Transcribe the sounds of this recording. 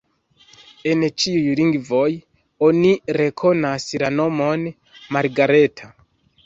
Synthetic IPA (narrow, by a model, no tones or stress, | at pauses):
ent͡ʃiujɾiŋɡvo̞j | oniɾe̞kʰo̞naslano̞mo̞n | maɾɡaɾetʰa